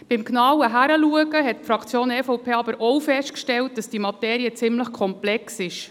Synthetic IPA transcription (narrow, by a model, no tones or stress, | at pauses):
b̥ɪmknɑwəɦæɾəluəɡəɦɛtfɾɑkt͡sjoːnɛfɔʊpʰeːɑbəɾɔwfɛʃtkʃtɛlt̚d̥ɑsd̥iːmɑtɛːɾiət͡sɪmləχkʰɔmplɛksɪʃ